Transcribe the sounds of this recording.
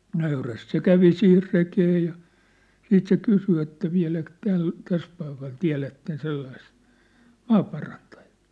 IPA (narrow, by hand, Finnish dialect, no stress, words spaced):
nøyræst se kæʋi sihir rekeː jɑ siːt se kysy etːæ ʋiæ̝læk tæl tæs pɑikɑl tiæ̝lætːen selːɑist mɑːpɑrɑntɑ̥j̊ɑ̥ː